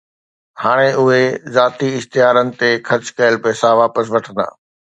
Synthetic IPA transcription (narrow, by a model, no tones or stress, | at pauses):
haːɽ̃eʊɦezaːt̪iɪht̪ɪjaːɾənɪ̆t̪exɐɾt͡ɕkɐjəlpɛːsaʋaːpəs̬ʋɐʈʰə̃nd̪a̰ː